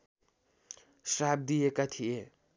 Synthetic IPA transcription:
srab̚d̪ijekat̪ʰie

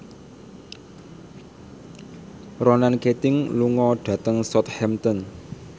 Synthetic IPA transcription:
rɔnanket̪ɪŋluŋɔɖ̪̥ä̤t̪əŋsɔt̪̚hɛmt̪ɔn

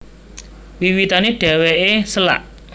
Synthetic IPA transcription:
wiwit̪aneɖ̥ɛ̤weʔesəla̰ʔ

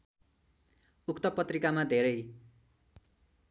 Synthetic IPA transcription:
ukt̪ʌpʌt̪rikamad̪ʱeɾʌj

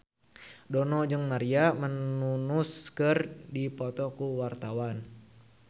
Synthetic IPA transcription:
dɔnɔd͡ʒɨŋmaɾiamənunuskərdipɔt̪ɔkuwart̪awan

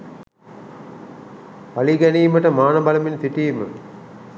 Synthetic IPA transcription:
paliɡæniːməʈəmaːnɐbɐlɐmint̪iʈijmə̰

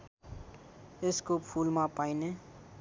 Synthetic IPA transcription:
ɪskopʰuːlmãpaːineː

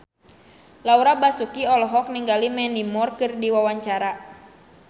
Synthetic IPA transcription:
lauɾabasukiɔlɔɦɔk̚niŋɡalimɛnimɔrkɨrdiwawaɲt͡ʃaɾa

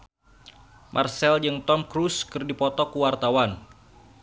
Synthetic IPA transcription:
mʔarsɛld͡ʒɨŋt̪ɔmkɾuskɨrdipɔt̪ɔkuwart̪awan

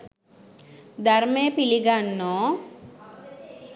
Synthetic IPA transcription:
d̪aɾmepiliɡanːɔ

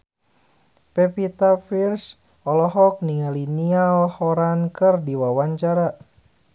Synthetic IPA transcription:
pɛpit̪afirs | ɔlɔɦɔk̚niŋalinialhɔɾankɨrdiwawaɲt͡ʃaɾa

